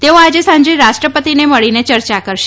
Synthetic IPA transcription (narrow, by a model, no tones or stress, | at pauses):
t̪eoad͡ʒesãɲd͡ʒeɾaʃʈɾəpət̪ineməɭinet͡ʃəɾt͡ʃakəɾʃe